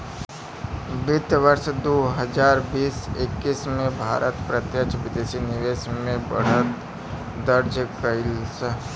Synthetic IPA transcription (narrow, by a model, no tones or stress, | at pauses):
bɪt̪ʋəɾsd̪oːɦəd͡ʒaːɾbiːsɪkːismẽbʱa̰ːɾʔət̪pɾət̪jəkt͡ʃʋɪd̪eːsinɪʋeːsmẽbə̰ɽ̤ət̪ | d̪əɾd͡ʒəkəɪlsə